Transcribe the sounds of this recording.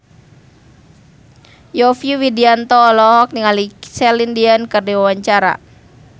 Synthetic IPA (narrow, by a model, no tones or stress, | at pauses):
jɔfjuwidiant̪ɔːlɔɦɔk̚niŋalisɛlindiankərdiwawaɲt͡ʃaɾa̰